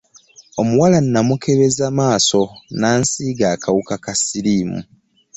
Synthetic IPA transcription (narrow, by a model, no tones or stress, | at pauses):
omuwalanːamukʰe̞βe̞zamaːso̞naːnsiːɡaːkawukakasiɾiːmṵ